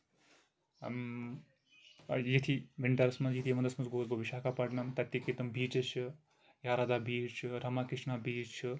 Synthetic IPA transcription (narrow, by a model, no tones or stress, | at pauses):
jit̪ʰiʋiɳʈɐɾɐsmɐnzjit̪ʰimɐnd̪ɐsmɐnsɡoːzbɐbiʃaːkapɐʈnɐmt̪ɐt̪ːiket̪ɐmbiːt͡ʃɐt͡ʃʰɨ | jaːɾad̪abiːt͡ʃʰɾɐmakiʃnabiːt͡ʃʰɨ